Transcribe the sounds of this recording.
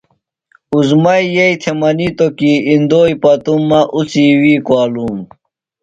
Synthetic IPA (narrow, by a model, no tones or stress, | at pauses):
uzmɐjjɐjt̪ʰemɐnit̪okiind̪oːjpɐt̪umːɐʔut͡siwiːkwaːluːm